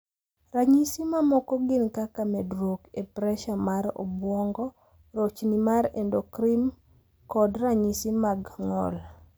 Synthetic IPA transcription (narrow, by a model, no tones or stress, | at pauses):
raɲisimamɔkɔɡɪnkakamɛdɾokepɾɛʃamaɾɔ̰bwɔŋɡɔ | ɾot͡ʃnimaɾendokɾim | kɔdraɲisimaɡŋɔ̰l